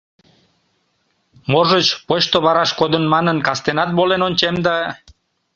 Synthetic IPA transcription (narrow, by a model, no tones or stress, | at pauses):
moʒət͡ɕpot͡ɕt̪oβɑɾɑʃkod̪ənmɑnənkɑst̪enɑt̪̚βolenonʲt͡ɕemd̪ɑ